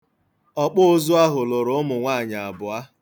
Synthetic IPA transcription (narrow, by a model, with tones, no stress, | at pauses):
ɔ˦k͡pʊ˦ʊ˦zʊ˦a˦ɦʊ˨lʊ˨ɾʊ˦ʊ˦mʊ˨ŋʷa˦˨ɲa˨a˨bʊ˨a˦